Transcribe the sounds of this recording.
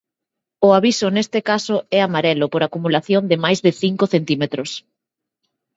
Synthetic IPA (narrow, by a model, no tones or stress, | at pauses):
ʊaβisʊnest̪ɪkasʊɛamaɾɛlʊpoɾakumulaθjond̪ɪmajzðɪθiŋkʊθent̪imet̪ɾʊs